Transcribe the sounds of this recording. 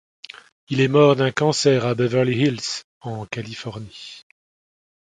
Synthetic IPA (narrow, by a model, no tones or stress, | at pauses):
ilɛmɔʁd̪ɛ̃kɑ̃sɛʁabɛvɛʁliɦils | ɑ̃kalifɔʁni